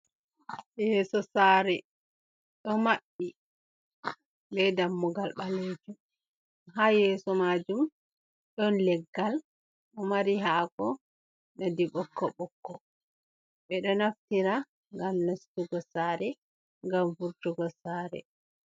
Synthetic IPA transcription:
jɛsɔsaːɾɛ | ɗɔmaɓːi | bɛdamːuɡalɓaled͡ʒum | ɦaːjɛsɔmad͡ʒum | ɗɔnlɛɡːal | ɗɔmaɾiɦaːkɔ | nadiɓɔkːɔɓɔkːɔ | ɓɛɗɔnaftiɾa | ŋɡamnastuɡɔsaːɾɛ | ŋɡamvuɾtuɡɔsaːɾɛ̰

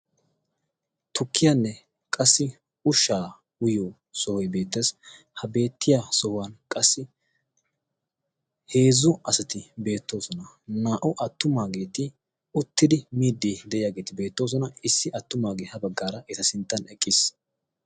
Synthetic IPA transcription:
t̪ʊkʰːɪjanːɛ | kʼɐsːɪ | ʊʃːaː | wʊjoː | sɔhɔjbe̞ːt̪ːeːs | hɐbe̞ːt̪ːɪjasɔhʊwɐnkʼɐsːɪ | he̞ːzʊɐsɐt̪ɪbe̞ːt̪ːo̞ːsɔnɐnaːʔʊʔɐt̪ːʊmaːɡe̞ːt̪ɪ | ʊt̪ːɪd̪ɪmiːd̪ːid̪ɛʔɪjaːɡe̞ːt̪ɪbe̞ːt̪ːo̞ːs̬ɔnɐɪsːɪʔɐt̪ːʊmaːɡeːhɐbɐɡːaːɾɐʔɪt̪ɐsɪnt̪ːɐnɛkʼːɪs

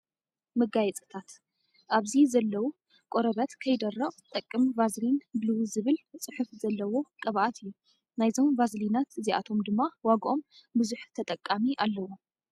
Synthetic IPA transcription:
mɨɡajɛt͡sʼɨ̥t̪ʰat̪ | ʔaβzizɐlːɐwu | kʼoɾɐβɐt̪kʰɐjd̪ɐrɐɣt̪ʼɐkʼːɨmvazlinbɨlɨwzɨβɨlt͡sʼɨħufzɐlːɐwo̞kʼɐβʔat̪ʰɨjːu | najzo̞mvazlinat̪ɨziʔa̰t̪ʰo̞md̪ɨmːawaɡʔo̞mbɨzuħt̪ʰɐt̪ʼɐkʼːamiʔalːɐwo

